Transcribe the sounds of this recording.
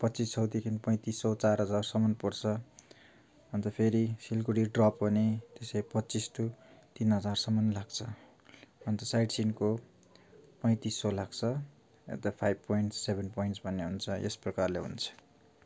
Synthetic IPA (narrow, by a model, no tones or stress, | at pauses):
pʌt̪ːt͡sissʌwd̪ikʰinpʌj̃t̪isːʌwt͡sarɦʌd͡zarsʌmʌnpʌrt͡sʰʌ | ʌnt̪ʌpʰeɾisilkuɽiɖrʌpːʌnet̪esejpʌtːt͡sist̪ut̪inɦʌd͡zarsʌmʌnlaɡt͡sʰʌ | ʌnt̪ʌsajɖsinko | pʌj̃t̪isːʌlakt͡sʰʌ | ḛt̪apʰajb̚pojɳʈsebʱenpojɳʈsbʱʌnːeɦunt͡sʰʌʔḛsprʌkarleɦṵnt͡sʰʌ̥